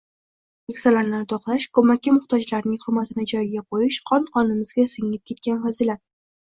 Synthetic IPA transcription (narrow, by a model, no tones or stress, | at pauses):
ekʲsalaɾnɪt̪ʰɒqlˠaʃkʰɵmakʲːɪmʊχt̪ʰɒd͡ʒlaɾnɪŋχʊmːat̪ʰɪnɪd͡ʒɒjɡʲaqʰojɪʃqʰɒnqʰɒnɪmɪzɡʲasɪŋɪp̚kʲʰe̞t̪kʲanfazɪlat̪̚